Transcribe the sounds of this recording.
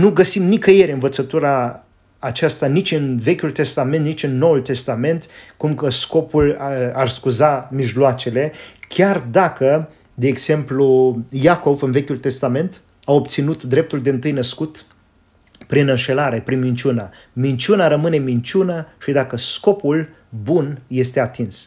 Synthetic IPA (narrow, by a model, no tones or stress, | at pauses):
nuɡəsimnikəje̞ɾɨnvət̪sət̪uɾaː | t͡ʃast̪anit͡ʃʲɨnve̞kʲult̪e̞st̪ament̪nit͡ʃʲɨnːo̞wult̪e̞st̪ame̞nt̪kumkəsko̞pularskuzamiʒloat͡ʃe̞le̞kʲard̪akə | d̪e̞ːɡz̥e̞mplujako̞vɨnve̞kʲult̪e̞st̪ame̞nt̪ | ao̞pt̪sinut̪d̪ɾe̞p̚t̪uld̪eɨnt̪ɨjnəskut̪ | pɾinɨnʃe̞laɾe̞pɾinmint͡ʃunə | mint͡ʃunaɾəmɨne̞mint͡ʃunəʃid̪akəsko̞pul | bunje̞st̪eat̪ins